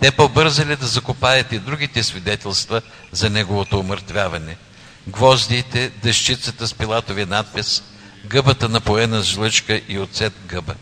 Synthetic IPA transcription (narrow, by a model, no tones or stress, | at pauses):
t̪ɛpobɤɾzɐlid̪ɐzɐkʊpajət̪id̪ɾuɡ̟it̪ɛsvid̪ɛt̪ɛlˠst̪və | zɐnɛɡovot̪oːməɾt̪vʲjavɐnɛ | ɡvɔzd̪iːt̪ɛd̪ɐʃt͡ʃit̪sət̪əspilˠat̪ovinat̪̚pɛs | ɡɤbət̪ənɐpoɛnəzʒlˠɤt͡ʃkəʔiot̪sɛt̪̚ɡɤbə